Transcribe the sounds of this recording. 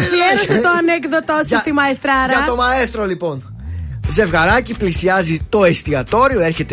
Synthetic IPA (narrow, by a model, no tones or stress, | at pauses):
fleɾoset̪oɐneɣðɐt̪osit̪imɐest̪ɾɐɾɐt̪omɐest̪ɾolipo̞n | ze̞vɣɐɾɐciplisiɐzit̪o̞est̪iɐt̪o̞ɾioeɾçe̞t̪e